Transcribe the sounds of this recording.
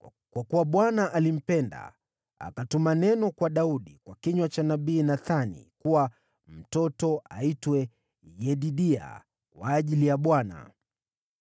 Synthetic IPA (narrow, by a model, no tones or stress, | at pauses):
kwakuwaɓwanaʔalim̩pɛnda̰ | a̰katumanɛnɔkwaɗauɗikwakiɲwat͡ʃanaɓiːnaθanḭkuwa | m̩tɔtɔʔa̰itwɛ | jɛɗiɗia̰ | kwa̰ːʄilijaɓwana̰